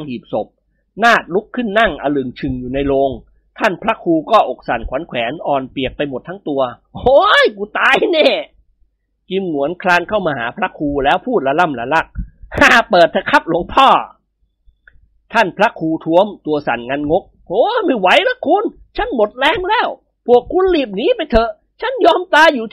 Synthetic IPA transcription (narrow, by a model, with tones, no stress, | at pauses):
ŋhiː˨˩p̚so˨˩p̚ | naː˥˩t̪̚lu˦˥kʰːɯ˥˩nːa˥˩ŋʔa˧lɯ˨˩ŋt͡ɕʰɯ˨˩ŋjuː˨˩na˧jloː˧ŋ | t̪ʰa˥˩npʰɾa˦˥kʰuː˧kɔː˥˩ʔo˨˩k̚sa̰˨˩nkʰwaː˩˦nkʰwɛː˩˦nʔɔː˨˩npi˨˩ək̚pa˧jmo˨˩t̪ʰːa˦˥ŋt̪u˧ɐ | hoː˧˥jkuː˧˩t̪aː˧jneː˧˥˩ | ki˧mnu˨˩˦ənkʰlaː˧nkʰa˥˩wmaː˧haː˩˦pʰɾa˦˥kʰuː˧lɛː˦˥wpʰuː˥˩t̪̚la˧˥la˥˩mla˧˥la˦˥˩k̚haː˧˩pɤː˨˩t̪ʰːa˧kʰa˦˥p̚lo˧˦əŋpʰɔː˥˩ | t̪ʰa˥˩npʰɾa˦˥kʰuː˧t̪ʰu˦˥əmt̪u˧ɐsa˨˩nŋa˧nŋo˦˥k̚ | hoː˧˦ma˥˩jwa˨˦˥jla˦˥kʰu˧n | t͡ɕʰa˦˥˩nmo˨˩t̪̚lɛː˧˥ŋlɛː˦˥˩w | pʰu˨˩əkʰːu˧nliː˨˩p̬̚niː˦˥pa˧jt̪ʰɤ˨˩ | t͡ɕʰa˥˩njɔː˧mt̪aː˧juː˨˩